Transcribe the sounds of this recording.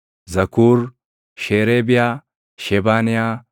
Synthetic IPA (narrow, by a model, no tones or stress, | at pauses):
zɐkuːɾ | ʃeːɾeːbɪjaː | ʃɛbaːnɪjaː